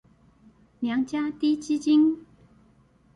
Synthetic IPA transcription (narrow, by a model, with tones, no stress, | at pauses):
lja˨˧˥ŋt͡ɕja˥t̪i˥t͡ɕi˥t͡ɕi˥ŋ